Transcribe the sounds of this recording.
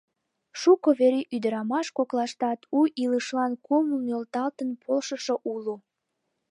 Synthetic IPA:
ʃukoβeɾiʔyd̪əɾɑmɑʃkoklɑʃt̪ɑt̪uʔiləʃlɑnkomunølt̪ɑlt̪ənpʰolʃəʃoʔulu

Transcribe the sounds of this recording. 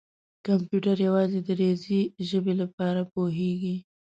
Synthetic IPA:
kampjuʈaɾjawɑzed̪əɾeziʒəbelapɑɾapoɦeɡi

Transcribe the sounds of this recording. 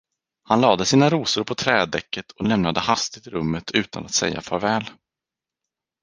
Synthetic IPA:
hanlɑːd̪əsiːnaɾuːsʊɾpʰɔt̪ʰɾɛːd̪ɛkːət̪ʰɔlɛmnad̪əhast̪ɪt̪ɪɾɵmːət̪ʰʉ̟ːt̪ʰa̰nat̪sɛ̰jːa̰fœːɾvɛːl

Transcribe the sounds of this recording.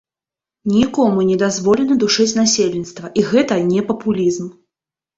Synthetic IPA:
nʲikɔmunʲɛd̪azvɔlʲɛnɐd̪uʂɨt͡sʲnasʲelʲnʲit̪st̪vɐʔiɣɛt̪ɐnʲɛpɐpulʲizm

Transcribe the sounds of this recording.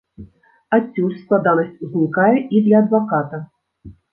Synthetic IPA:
att͡sʲːulʲsklˠad̪anɐsʲt͡sʲuzʲnʲikajɛid̪lʲɐːd̪vakat̪ɐ

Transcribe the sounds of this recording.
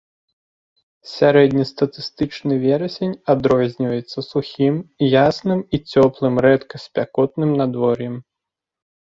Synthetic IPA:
sʲaɾɛd̪ʲnʲist̪ɐt̪ɨst̪ɨt͡ʂnɨvʲɛɾɐsʲenʲad̪ɾɔzʲnʲivɐjɛt̪sːɐsuxʲimjasnɨmit͡sʲɔplˠɨmɾɛt̪kɐsʲpʲakɔt̪nɨmnad̪vɔrjɛm

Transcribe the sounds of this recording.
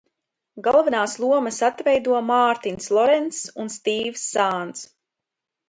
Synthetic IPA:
ɡalˠvɛnaːslˠuɔmɐsat̪vɛjd̪uɔmaːɾt̪inslˠɔɾɛnt̪sunst̪iːvsːaːnt̪s

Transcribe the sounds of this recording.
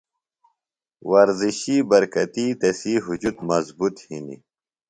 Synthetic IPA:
wɐɾziɕiːbɐɾkɐt̪iːt̪ɐsiːɦud͡ʑut̪mɐzbut̪hḭnḭ

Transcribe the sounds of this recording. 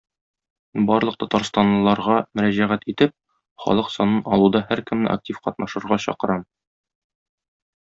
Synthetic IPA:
bɒɾlˠɤq̚t̪ɒt̪ɑɾst̪ɑnlˠɤ̆lˠɑɾʁɑmɵ̆ɾæʑæʁæt̪it̪ɘp̚ | χɒ̰lˠɤqsɒnɤnɒlˠud̪ɑhæɾkɘ̆mnɘ̰ʔa̰k̚tʲifqɒt̪nɑʃɤ̆ɾʁɑɕɒ̰qɤ̆ɾɑm

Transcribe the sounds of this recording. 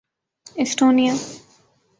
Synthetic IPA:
esʈoːnija

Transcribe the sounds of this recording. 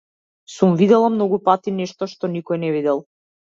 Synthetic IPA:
sumvid̪ɛlˠamnɔɡupat̪inɛʃt̪ɔʃt̪ɔnikɔjnɛvid̪ɛlˠ

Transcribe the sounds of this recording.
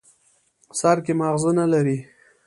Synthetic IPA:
saɾkemaɣzunalaɾi

